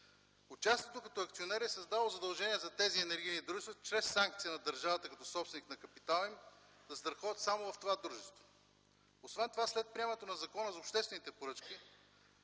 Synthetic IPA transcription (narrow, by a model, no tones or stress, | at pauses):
ot͡ʃast̪jiɛt̪okɐt̪ɔɐk̚t̪sionɛɾiɛsɐzd̪avlˠozɐd̪ɐlˠʒɛniɛzɐt̪ɛziɛnɛɾɡʲijnid̪ɾuʒɛst̪vot͡ʃɾɛsːaŋk̚t̪sijənɐd̪əɾʒavət̪əkɐt̪ɔsɔpst̪vɛniknɐkɐpit̪alˠɛm | d̪ɐsd̪ɾɐxɔət̪samovɐft̪ovad̪ɾuʒɛst̪vo̥ | osvɛnt̪ovaslɛt̪̚pɾʲiɛmɛnɛt̪onɐzɐkɔnəzopʃt̪ɛst̪vɛnit̪ɛpoɾɤt͡ʃkʲi